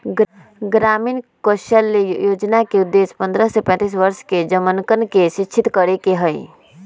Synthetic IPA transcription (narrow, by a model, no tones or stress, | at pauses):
ɡɾamiːnkoʃəlːejoːd͡ʒnakeud̪ːespə̃nd̪ɾəsepɛ̃ːt̪is̬ʋəɾʃked͡ʒəmənkənkeʃit͡ʃʰit̪kəɾekeɦəj